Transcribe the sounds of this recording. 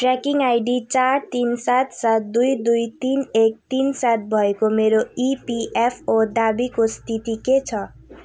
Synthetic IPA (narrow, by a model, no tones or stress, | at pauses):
ʈrakiŋajɖit͡sart̪insat̪sat̪̚d̪ujd̪ujt̪inek̚t̪insat̪̚bʱʌekomeɾoipiʔepʰod̪abikost̪ʰit̪iket͡sʰʌ